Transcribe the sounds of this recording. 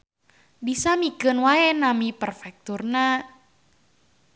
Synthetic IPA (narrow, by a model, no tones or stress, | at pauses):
bisamikənwaɛnamipərfɛk̚t̪urna